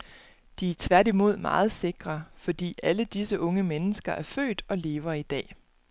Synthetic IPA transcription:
d̥iæt͡sʰʋæɐɾimo̝ð̞̰ˠmɑ̰̈ːð̞̩ˠse̝ɡ̥ʁɐfɒ̽d̥ḭːʔæləd̥isəʔɔ̽ŋəmenəsɡ̥ɐʔæɐfø̰ːd̥ɒ̽le̝ːʊɐid̥ɛ̰ː

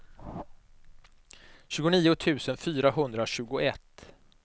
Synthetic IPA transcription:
ɕʉ̟ːɡʊniːʊt̪ʰʉ̟ːsənfyːɾaɦɵnd̪ɾaɕʉ̟ːɡʊʔɛt̪ː

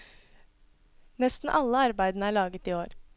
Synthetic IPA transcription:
nɛst̪n̩ʔɑləɑɾbæɪd̪n̩əæːɭɑːɡət̪iːoːɾ

